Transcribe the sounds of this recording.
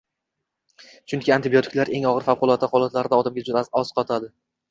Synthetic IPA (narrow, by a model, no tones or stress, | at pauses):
t͡ʃʰʊŋkʲɪant̪ʰɪbiot̪ʰɪ̥kʲlaɾe̞ŋɒʁɨɾfafqʊlˠɒt̪ːahʊlˠɒt̪laɾɪd̪aɒd̪amɡʲad͡ʒʊd̪aɒz̥qʰɒt̪ʰad̪ɪ